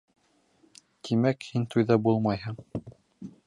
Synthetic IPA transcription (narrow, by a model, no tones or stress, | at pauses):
t̪ʰimækhint̪ujðɑbulˠmɑjɦɤɴ